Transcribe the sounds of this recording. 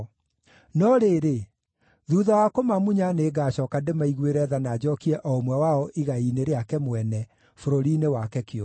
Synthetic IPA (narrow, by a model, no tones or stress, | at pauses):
nɔɾeːɾe | ðuːðawakomamuɲaneːɡaːɕɔkandemaiɣweɾɛðanaːd͡ʑɔkiɛʔɔomwɛwaɔʔiɣaineɾeakɛmwɛnɛ | foɾoɾinewakɛkeɔ